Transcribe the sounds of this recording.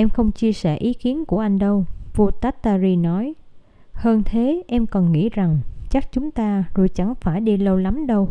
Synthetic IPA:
ʔɛ˧mxə˧wŋ͡mt͡ɕi˧əsɛ̰˧˩ʔi˨˦ki˨˦ənku˧˩əʔa˧jŋ̟ɗə˧wvu˧t̪aː˦˥t̚t̪aː˧zi˧nɔ˨˦j | həː˧nt̪ʰe˨˦ʔɛ˧mkɔ˨˩nŋḭ˧˥za˨˩ŋt͡ɕa˦˥k̚t͡ɕʊ˨˦ŋ͡mt̪aː˧zo˨˩jt͡ɕa˧˩ŋfaː˧˩jɗi˧lə˧wla˨˦mɗə˧w

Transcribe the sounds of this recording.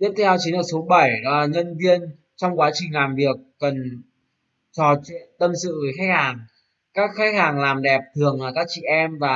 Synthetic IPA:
t̪i˦˥əp̚t̪ʰɛ˧wt͡ɕi˨˦nəː˧˩so˨˦ɓə˧˩jɗɔ˨˦laː˨˩ɲə˧nvi˧ən | t͡ɕɔ˧wŋ͡mkwaː˨˦t͡ɕï˨˩ŋ̟laː˨˩mvi˨˩ək̚ːə˨˩n | t͡ɕɔ˧˩t͡ɕi˧˨t̪ə˧msɨ̰˧˨və˨˦xa˦˥k̚haː˨˩ŋ | kaː˦˥k̚xa˦˥k̟̚haː˨˩ŋlaː˨˩mɗɛ˨˩p̚t̪ʰɨ˨˩əŋlaː˨˩kaː˦˥k̚t͡ɕḭ˧˨ʔɛ˧mvaː˨˩

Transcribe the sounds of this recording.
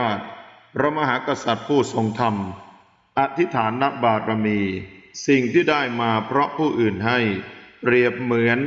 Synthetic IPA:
aː˥˩t̪̚ | ɾa˧maː˧ɦaː˩˦ka˧sa˨˩t̪̚pʰuː˥˩so˨˩ŋt̪ʰa˧m | ʔa˨˩t̪ʰːi˦˥t̪ʰaː˩˦nːa˦˥k̚baː˨˩kɾa˧miː˧si˨˩ŋt̪ʰiː˥˩daː˥˩jmaː˧pʰɾɔ˦˥pʰuː˥˩ʔɯː˨˩nɦa˥˩jpɾi˨˩əp̚mɯ˩˦ən

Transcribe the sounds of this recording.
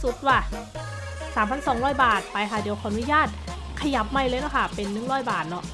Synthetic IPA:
su˨˧˩t̪̚waː˧˩ | saː˩˦mpʰa˧˥nsɔː˨˦ŋɾɔː˥˩jbaː˨˩t̪̚pa˧jkʰa˧˥˩di˨˦əkʰɔː˧ʔa˧nu˦˥jaː˥˩t̪̚ | kʰa˧ja˨˩p̚ma˧jlɤː˧jnɔ˧˥˩kʰa˥˩pe˧nːɯ˨˥˩ŋɾɔː˧˥˩jbaː˨˩t̪̚nɔ˦˥ʔ

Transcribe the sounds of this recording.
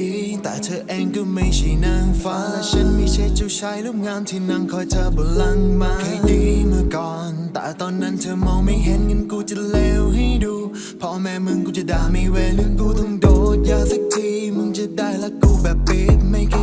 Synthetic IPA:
i˧t̪a̰ː˧˨˩jt̪ʰəː˧˩ʔɛ˧mkɨ˧˥mə˧˩jsi˨˩naː˧ŋfaː˧˦sə˧nmi˧˩se˧t͡ɕu˧saː˧jlʊ˦˥p̚ŋaː˧mt̪ʰi˨˩na˧˩ŋkʰɔ˧˩jt̪ʰəː˧˩ɓəː˨˩la˧ŋɓaː˨˧kʰə˧˩jɗi˧˦mɨ˧kɔ˨˩nt̪a̰ː˧˨jt̪ɔ˧nːə˧nt̪ʰəː˧ma˨˧wmə˨˦jɦe˧˦˥nŋi˧˥nku˧t͡ɕɨ˧˥t̚le˧whi˧˦ɗu˧˩ | pʰɔ˧˩mɛ˧˨mɨ˧ŋkʊ˧˦t͡ɕɨ˧˩ɗaː˨˩mi˧ve˧˩nɨ˧˥ŋku˧t̪ʰɨ˧ŋɗo˧˦zaː˧zə˦˥k̚t͡ɕʰi˧mɨ˧ŋt͡ɕɨ˧˥t̚ɗaː˧˩jlaː˧˦ku˧ɓɛ˨˩p̚vi˨˩t̚mə˧˦jkː

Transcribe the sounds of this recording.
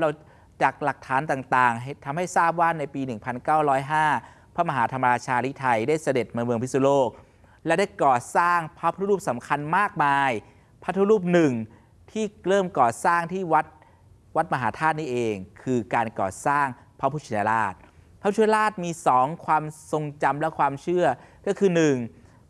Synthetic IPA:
ɾa˧w | t͡ɕaː˨˩k̚la˨˩k̚t̪ʰaː˩˦nt̪aː˨˩ŋt̪aː˨˩ŋɦt̪ʰa˧mha˥˩jsaː˥˩p̬̚waː˥˩na˧jpiː˧nɯ˨˩ŋpʰa˧nkaː˥˩wɾɔː˦˥jɦaː˥˩ | pʰɔ˦˥ma˧ɦaː˩˦t̪ʰa˧mːa˧ɾaː˧t͡ɕʰaː˧ɾi˦˥t̪ʰa˧jdaː˥˩jsa˧de˨˩t̪̚ma˧mɯ˧əŋpʰi˦˥su˧loː˥˩k̚ | lɛ˦˥wdaː˥˩jkɔː˨˩saː˥˩ŋpʰa˦˥pʰa˦t̪ʰu˦ɾuː˥˩p̚sa˩˦mkʰa˧nmaː˥˩k̚maː˧j | pʰa˦˥t̪ʰːu˦˥ɾuː˥˩p̚nɯ˨˩ŋ | t̪ʰiː˥˩klɤː˥˩mkɔː˨˩saː˥˩ŋt̪ʰiː˥˩wa˦˥t̪̚ | wa˦˥t̪̚ma˧ɦaː˩˦t̪ʰaː˥˩t̪̚niː˥˩ʔeː˧ŋkʰɯː˧kaː˧nkɔ̰ː˨˩saː˥˩ŋ | pʰa˦˥pʰuː˦˥˩t͡ɕʰi˧ja˧laː˥˩t̪̚pʰpuː˥t͡ɕʰi˧na˧laː˥˩t̪̚miː˧sɔː˩˦ŋkʰwaː˧mso˧ŋt͡ɕa˧mlɛ˦˥kʰwaː˧mt͡ɕʰɯ˥˩ɐkɔː˥˩kʰɯː˧nɯ˨˩ŋ

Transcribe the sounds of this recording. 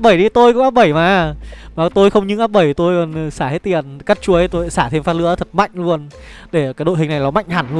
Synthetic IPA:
p̚ɓə˧˩jɗi˧t̪o˧jkʊ̰˧˥ŋ͡maː˦˥p̚ɓə˧˩jmaː˨˩maː˨˩t̪o˧jxə˧wŋ͡mɲɨ̰˧˥ŋʔaː˦˥p̚ɓə˧˩jt̪o˧jɔ˨˩n˨˩saː˧˩he˦˥t̚t̪i˨˩ənka˦˥t̚t͡ɕu˧˦ə˨˦jt̪o˧jsaː˧˩t̪ʰe˧mfaː˦˥t̚lɨ̰˧˥ət̪ʰə˨˩t̚ma̰˧˨jŋ̟lu˧ən | ɗe˧˩kaː˨˦jɗo̰˧˨ɦï˩ŋ̟na˨˩jlɔ˨˦ma̰˧˨jŋ̟haː˨˩nlu˧

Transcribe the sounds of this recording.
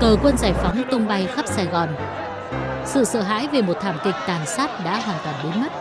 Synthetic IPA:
kəː˨˩kwə˧nzaː˧˩jfɔ˨˦wŋ͡mt̪ʊ˧ŋ͡mɓa˧jxə˦˥p̚saː˧jɣɔ˨˩n | sɨ̰˧˨sə̰ː˧˨ɦa̰ː˧˥jve˨˩mo˨˩t̚t̪ʰaː˧˩mkï˨˩k̟̚t̪aː˨˩nsaː˦˥t̚ɗa̰ː˧˥ɦwaː˧˩t̪a˧˩nɗe˨˦nm˦˥t̚

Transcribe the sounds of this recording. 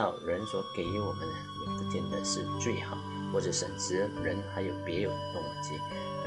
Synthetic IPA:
ɑ˥˩ʊɻə˧˥nswɔ˧˥ke˧˥ɪ˧˥wɔ˨˩mə˦n | wɔ˨˩pu˥˩t͡ɕ̪ʰɛ˥˩nd̪ə̰˨˦ʂɻ̩˥˧t͡swe˥˩ɪxɑ˨˩˦ʊ | xwɔ˥˩ʈ͡ʂə˧˩ʂə̰˨˩nʂʰɻ̩˧˥ɻə˧˥nxa˧˥ɪjo˨˩ʊpjɛ˨˧˥jo˨˩ʊd̪ə˧˦t̪ʊ˥˩ŋ˨˩ŋt͡ɕi˥˧˥

